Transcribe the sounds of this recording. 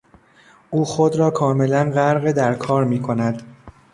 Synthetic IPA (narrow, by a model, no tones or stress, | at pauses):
ʔuːxod̪ɾɒːkʰɒːme̞lænɢæɾɣed̪æɾkʰɒːɾmiːkʰo̞næd̪